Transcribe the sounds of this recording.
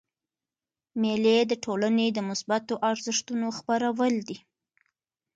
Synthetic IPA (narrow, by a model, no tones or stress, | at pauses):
meled̪əʈʰolaned̪əmʊsbat̪oʔaɾzəʂt̪unoxpaɾawəld̪i